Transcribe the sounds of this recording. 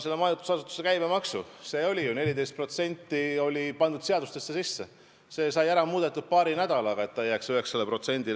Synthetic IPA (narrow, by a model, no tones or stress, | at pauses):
se̞lːemɑjut̪u̥sɑsut̪ːˑu̥sekæjmemɑksṵse̞ːo̞lʲijune̞lʲid̪e̞jst̪pro̞t̪se̞nʲt̪ˑːio̞lʲipɑnd̪̥ud̪̥se̞ɑd̪̥ust̪e̞sːesisːe̞ | se̞ːsɑjæɾɑmuːd̪e̞t̪ːˑud̪̥̚pɑːɾinæd̪̥ɑlɑɡ̥ɑe̞t̪ːɑjæksyhe̞kselepro̞t̪se̞nʲd̪̥il